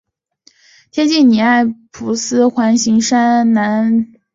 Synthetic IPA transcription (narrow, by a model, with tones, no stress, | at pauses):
t̪ʰjɛ˥t͡ɕi˥˩nni˨˩a˥˩ɪpʰu˧˥sɹ̩˥xwa˧˥nɕi˧˥ŋʂa˥nna˧˥n